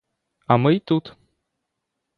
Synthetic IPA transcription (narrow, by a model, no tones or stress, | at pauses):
amɨjt̪ut̪